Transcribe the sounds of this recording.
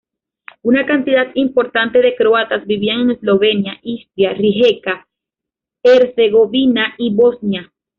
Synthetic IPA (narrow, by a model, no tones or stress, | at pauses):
unakant̪iðat̪impo̞ɾt̪ant̪e̞ðe̞kɾoat̪asbiβiaŋeŋeslo̞βe̞njaʔist̪ɾjariɦe̞ka | eɾse̞ɣo̞βinaʔiβo̞snja